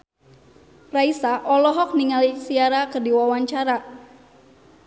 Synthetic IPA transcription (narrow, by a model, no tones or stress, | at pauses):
raisaʔɔlɔɦɔk̚niŋalisiaɾakərdiwawaɲt͡ʃaɾa